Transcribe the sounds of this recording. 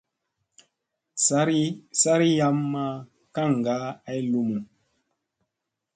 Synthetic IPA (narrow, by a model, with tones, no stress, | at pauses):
sa˦ɾi˦sa˦ɾi˦ja˦mːa˦ | ka˦˨ŋ˨ɡa˨˦a˦jlu˨mu˨